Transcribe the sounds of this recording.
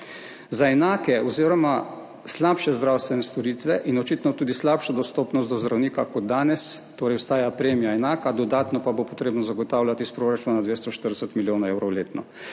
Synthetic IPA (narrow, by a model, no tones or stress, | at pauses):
zaɛnaːkɛɔziːɾɔma | slaːpʃɛzd̪ɾaːwst̪ʋɛnɛst̪ɔɾiːt̪ʋɛʔinɔt͡ʃiːt̪nɔt̪uːd̪islaːpʃɔd̪ɔst̪oːpnɔst̪ɔzd̪ɾawniːkakɔd̪̚d̪aːnɛst̪oːɾɛjwst̪aːjapɾeːmijaɛnaːkad̪ɔd̪aːt̪nɔpabopɔt̪ɾeːbnɔzaɡɔt̪aːwlʲjat̪ispɾoːɾat͡ʃuːnad̪ʋeːst̪ɔʃt̪əɾd̪ɛsət̪miljoːnaɛwɾɔwleːt̪nɔ